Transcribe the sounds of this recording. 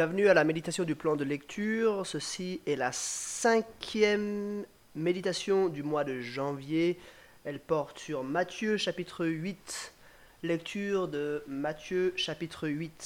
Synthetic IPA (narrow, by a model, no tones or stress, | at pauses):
ɛ̃vnyalamed̪it̪asjɔ̃d̪yplɑ̃d̪əlɛkt̪ʰyːʁsəsiɛlasɛ̃kʲʰjɛmː | ed̪it̪asjɔ̃d̪ymwad̪əʒɑ̃vje | ɛlpɔʁt̪syʁmat̪jøʃapit̪χəɥit̪ | lɛk̚t̪ʰyʁd̪əmat̪jøʃapit̪χəɥit̪